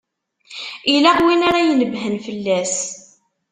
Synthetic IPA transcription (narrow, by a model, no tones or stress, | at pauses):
ilaʁwinaɾajnəbɦənfəlːæs